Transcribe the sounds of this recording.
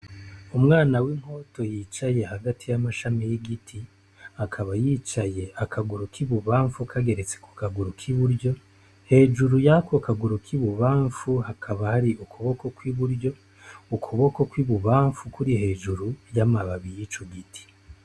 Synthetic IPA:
umŋaːnawiŋ̥ho̞to̞jiːt͡ʃaje̞haɡatijamaʃamijiɡitʰi | akʰaβajiːt͡ʃaje̞ʔakʰaɡuɾukʰiβuβaːɱfukʰaɡe̞ɾet͡se̥ku̥kaɡuɾukʰiβuɾɟo̞ | he̞ːʒuɾujakwokaɡuɾukʰiβuβaːɱfuhakʰaβahaɾiʔukʰuβo̞ko̞kwiβuɾjo̞ | ukʰuβo̞ko̞kwiβuβaːɱfukuɾihe̞ːʒuɾujamaβaβijit͡ʃuɡitʰi̥

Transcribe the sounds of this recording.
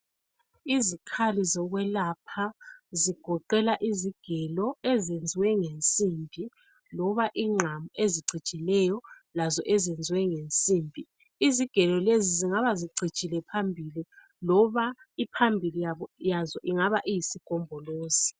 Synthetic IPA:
izikʰalizɔɣwɛlapʰaziɡ̥ʱɔǃɛlaʔiziɡ̥ʱɛlɔɛzend͡zʱiwɛŋent͡sʼiːmbʱi | lɔβaʔiŋ͡ǁʱamueziɡ͡ǀʱid̥t͡ʃʼilɛjɔ | lazɔʔɛzend͡zʱwɛŋent͡sʼiːmbʱi | iziɡ̥ʱɛlɔleziziŋaβaziǀʱi̥t͡ʃʼilɛpʰambʱili | lɔβaipʰambʱilijaβɔjazɔʔiŋaβaʔijisiɡ̥ʱɔmbʱɔloːsi̥

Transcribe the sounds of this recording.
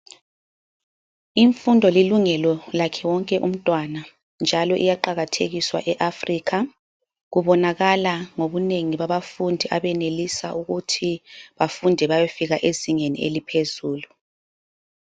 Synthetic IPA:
iɱfundʱɔliluŋɛlɔlakʰɛwɔŋkʼɛʔum̩tʼwana | nd͡ʒʱalɔʔijaǃaɣatʰeɣiswa̰ʔɛʔafriːkʰa | ɣuβɔnaɣalaŋoβuneŋiβaβafundʱiʔaβɛnelisa̰ʔuɣutʰiβafundʱɛβajefiɣaʔeziŋenḭḛlipʰezuːlu

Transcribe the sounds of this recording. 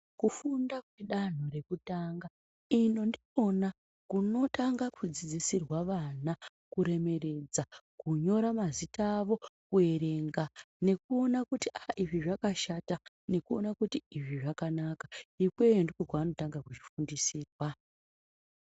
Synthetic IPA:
kufundakwe̞ɗan̤o̞ɾe̞kutaŋɡa | ino̞ndio̞na | kuno̞taŋɡakʰud͡zid͡zisirwaʋana | kuɾe̞me̞re̞d͡zakuɲo̞ɾamazitaːʋo̞kue̞ɾe̞ŋɡane̞kuo̞nakutiaʔiʐiʐakaʃata | ne̞kuo̞nakutiiʐiʐakanakḁikwe̞endikokuano̞taŋɡakut͡ʃifundisiːrwa

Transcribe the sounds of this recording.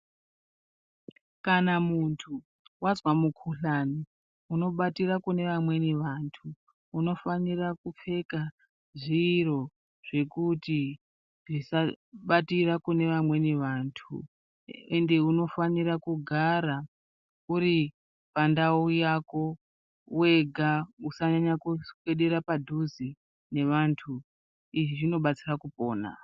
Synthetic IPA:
kanamuntʰu | wazwamukʰuɬani | uno̞ɓatirakune̞ʋamwe̞niʋantʰuː | no̞fanirakup͡fe̞ka | ʐiːro̞ | ʐe̞kuti | ʐisa | ɓatirakune̞ʋamwe̞neʋantʰṵ | ende̞uno̞faniɾakuɡʱaɾa | uɾi | pandaujako̞ | we̞ɡʱausaɲaɲakuke̞ɗeɾapadʱuzi | ne̞ʋantʰu | iʐiʐino̞ɓat͡sirakupo̞ːna̰

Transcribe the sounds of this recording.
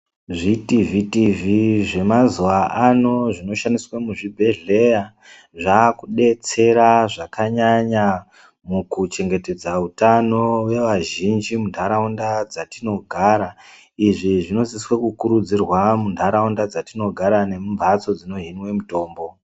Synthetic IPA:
ʐitivitiviʐe̞mazuʋaʔano̞ʐino̞ʃaniswamuʐibʱe̞ɮe̞ja | ʐaːkuɗe̞t͡se̞ɾaʐakaɲaɲa | mukut͡ʃe̞ŋɡe̞te̞d͡zautano̞we̞ʋaʒind͡ʒimundʰʱaɾaundad͡zatino̞ɡʱaɾa | iʐiʐino̞ziswekukuɾud͡zirwamundʰʱaɾaundad͡zatino̞ɡʱaɾane̞mumvʱat͡so̞d͡zino̞ɦinwe̞muto̞ːmbo̞

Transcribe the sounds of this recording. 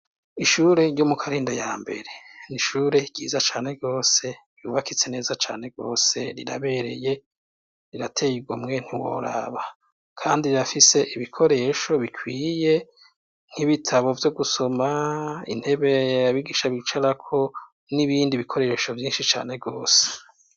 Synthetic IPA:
iʃuɾe̞ɟɟo̞mukʰaɾiːndajaːmbe̞̰ɾe̞niʃuːɾe̞ɡ̥iːzat͡ʃaːne̞ɡo̞ːse̞ | jṵβakit͡se̞ne̞ːzat͡ʃa̰ːn̥e̞ɡo̞̰ːse̞̰ɾḭɾa̰βe̞ɾe̞̰je̞ | ɾiɾatʰe̞iɡwaumŋe̞n̥hiwo̰ɾa̰βa | kʰaːndiɾiɾafise̞ʔiβikʰo̞ɾe̞ʃo̞βikʰwiːje̞ | n̥hiβitʰaβo̞vjo̞ɡuso̞maḭn̥he̞βe̞aβiɡiːʃaβit͡ʃaɾakʰo̞ | niβiːndiβikʰo̞ɾe̞ʃo̞vjiːnʃit͡ʃa̰ːne̞vɡo̞ːse̥

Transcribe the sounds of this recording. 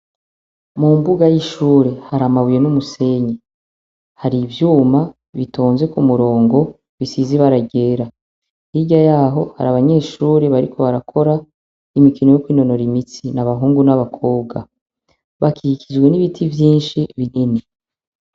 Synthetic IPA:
mumbuɡajiʃuːɾe̞haɾamaβuje̞numuse̞ɲe | haɾivjuːma | βitʰoːnzwe̞kumuɾo̞ːŋɡo̞ | βisiziβaɾaɟe̞ːɾa | hiɟajaːɦo̞ha̰ɾaβaɲe̞ːʃuːɾe̞βaɾikʰo̞βaɾakʰo̞ɾa | imikinojokwiːno̞no̞ɾimit͡sinaβaɦuːŋɡunaβakʰo̞ːb̚ɡa̰ | βakʰiikʰid͡ʒɡwe̞niβitʰivjiːnʃiβinini

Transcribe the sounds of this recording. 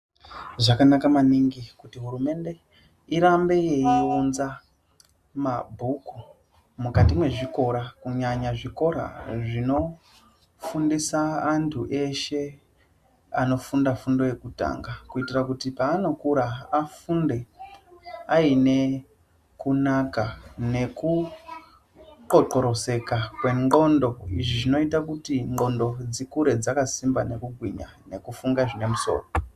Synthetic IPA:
ʐakanakamaniŋɡikutiɦuɾume̞nde̞ | iɾambe̞jeiunza | mabʱuku | mukatimwe̞ʐiko̞ɾakuɲaɲaʐiko̞ɾa̰ʐino̞ | fundisaːntʰuʔe̞ʃe̞ | a̰no̞fundafundo̞je̞kuta̰ŋɡakuitirakutipaːno̞kuɾaafunde̞ | aine̞ | kunakane̞ku | ǃoǃo̞ɾo̞se̞kakwe̞ŋ͡ǃɡo̞ndo̞iʐiʐino̞itakutiŋɡo̞ndo̞d͡zikuɾe̞d͡zakasimbane̞kuɡʱwiɲa̰ne̞kufuŋɡaʐine̞muso̞̰ːro

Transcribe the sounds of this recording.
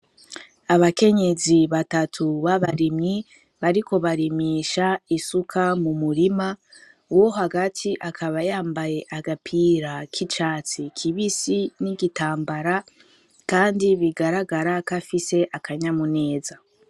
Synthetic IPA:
aβake̞ɲe̞ziβatatʰuβaβaɾimɲi | βaɾikʰo̞βaɾimiːʃaisukʰamumuɾima | woɦaɡatʰiʔakʰaβajaːmbaje̞ʔaɡapʰiːɾakʰit͡ʃaːt͡sikʰiβisiniɡitaːmbaɾa | kaːndiβiɡaɾaɡaɾakafise̞ʔakʰaɲamune̞ːza

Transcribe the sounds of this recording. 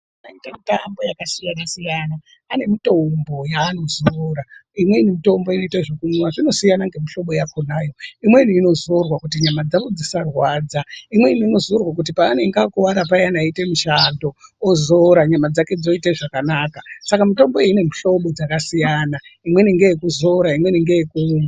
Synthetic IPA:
naitamitambo̞jakasijanasijanaː | ne̞mito̞mbo̞jaːno̞zoɾaimwe̞inimito̞mbo̞ino̞itaʐikumwaʐino̞sijanaŋɡe̞miɬo̞ɓo̞jakonaːjo̞imwe̞iniːno̞zo̞rwakut̬iɲamad͡zaʋod͡zisarwaːd͡zaimwe̞iniino̞zo̞rwak̬ut̬ipaːne̞ŋɡakuʋaɾapajanaite̞miʃando̞ːzo̞ɾaɲamad͡zake̞d͡zo̞iteʐakanakasakamito̞mbo̞eine̞miɬo̞ɓo̞d͡zakasijanaimwe̞niŋɡe̞jekuzo̞ɾaimwe̞niŋɡe̞jekuːma

